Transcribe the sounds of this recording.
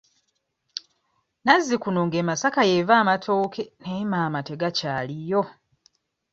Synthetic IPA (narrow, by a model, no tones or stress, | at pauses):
nazːikuno̞ŋɡeːmasakaje̞vaːmatʰo̞ːkʰe̞nemaːmate̞ɡacaːlijo